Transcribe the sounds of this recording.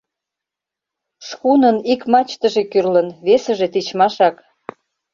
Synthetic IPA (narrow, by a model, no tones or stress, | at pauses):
ʃkunənikmɑt͡ɕt̪əʒekyrlənβesə̆ʒet̪it͡ɕmɑʃɑk